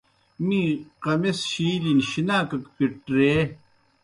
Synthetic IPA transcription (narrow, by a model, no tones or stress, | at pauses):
mĩːqɐmesɕiːlinɕinaːkɐkpiʈɾeː